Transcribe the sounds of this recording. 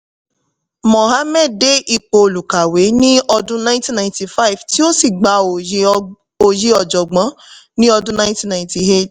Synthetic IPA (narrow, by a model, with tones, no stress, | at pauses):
mo˨ɦa˨˦mɛ˦˨de˦ʔi˧k͡po˧˨lu˨ka˨we˨˦nĩ˦ɔ˧dũ˦nã˧˦ĩ˦tĩ˦nã˨ĩ˦ti˨fa˦˨vti˦o˦si˦˨ɡ͡ba˧˨o˨˧ | o˧ji˦ɔ˨d͡ʒɔ˨ɡ͡bã˨˦nĩ˦ɔ˧dũ˦nã˧˦ĩ˦tĩ˦˨nã˨ĩ˨ti˨ɦe˦˨t